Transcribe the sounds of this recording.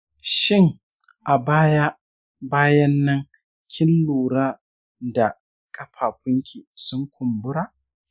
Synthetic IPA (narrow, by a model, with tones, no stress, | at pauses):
ʃɪ˦˨ŋ | ʔa˨baː˦ja˦ | baː˦jɐ˦nːɐ˦ŋ | kʲʰɪ˦lːuː˨ɾaː˦ | da˨ | kʼɐ˦ɸʰaː˨ɸʊ˦ŋkʲi˨sʊ˦ŋkʷʊ˨mbʊ˦ɾaː˦